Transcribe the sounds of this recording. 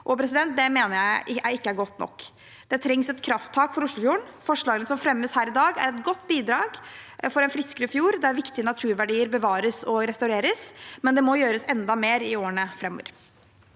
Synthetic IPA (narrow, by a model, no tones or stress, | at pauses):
ʔɔpʰɾɛs̬ɪd̪ɛnt̪̚d̪ɛmeːnəɾjæɪæɪkːəæɾɡɔt̪ːnɔ̰kː | d̪̥ɛt̪ʰɾɛŋsɛt̪kʰɾɑft̪ʰːɑːkfɔɾʊʂɭʊfjuːəɳfɔʂɭɑːɡənəsɔmfɾɛmːəshæːɾɪd̪ɑːɡæ̰ɾɛt̪ɡɔt̪ːbiːd̪ɾɑːɡfɔɾɛnfɾɪskəɾəfjuːɾd̪ɛæɾʋɪkt̪ɪənɑt̪ʰʉːɾʋæɖiːəɾbəʋɑːɾəsɔɾɛst̪ɑʉɾeːɾəsmɛnd̪ɛmɔjøːɾəsɛnd̪ɑmeːɾɪoːəɳəfɾɛmːɔ̰ʋə̰ɾ